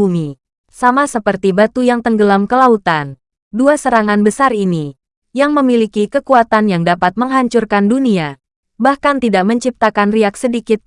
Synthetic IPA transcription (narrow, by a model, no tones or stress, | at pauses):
umi | samasəpərt̪ibat̪ujaŋt̪əŋɡəlamkəlaut̪an | duasəɾaŋanbəsarini | jaŋməmilikikəkuat̪anjaŋdapat̪̚məŋɦaɲt͡ʃurkandunia | bahkant̪idaʔməɲt͡ʃip̚t̪akanriaksədikɪt̪̚